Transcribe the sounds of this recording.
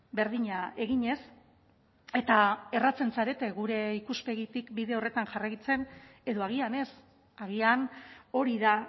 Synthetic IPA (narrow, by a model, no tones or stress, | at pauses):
be̞ɾðiɲae̞ɣiɲe̞s | e̞t̪ae̞rat͡se̞nsaɾe̞t̪e̞ɣuɾe̞ikuspe̞ɣit̪ikbiðe̞o̞re̞t̪aŋʝarajt͡se̞ne̞ðo̞aɣ̞iane̞s | aɣiano̞ɾiða